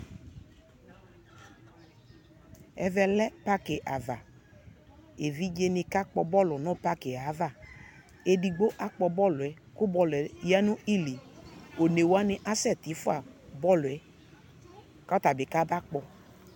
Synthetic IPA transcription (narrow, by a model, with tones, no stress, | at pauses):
ɛ˨vɛ˧lɛ˦pa˦ke˨ʔa˨va˨ | e˨vi˦d͡ʒe˦nɪ˧ka˦k͡pɔ˧bɔ˦lʊ˨nɔ̃˦pa˦ke˨a˨˦va˦˨ | e˨di˨ɡ͡bo˦ʔa˦k͡pɔ˧bɔ˦lʊ˨ɛ˨ | kʊ˦bɔ˦lʊ˨ɛ˨ja˦nʊ̃˦i˦li˨o˨ne˨wo˨˦a˦nɪ˦ʔa˦sɛ˦˨ti˨˦fʊ˦a˨bɔ˦lʊ˨ɛ˨˦ | ka˦ta˨bɪ˨ka˦ba˦k͡pɔ˧